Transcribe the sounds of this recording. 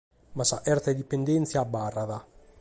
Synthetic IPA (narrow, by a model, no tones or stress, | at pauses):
masaʔɛrt̪ad̪ipːend̪ɛnt̪sjaːbːarːaða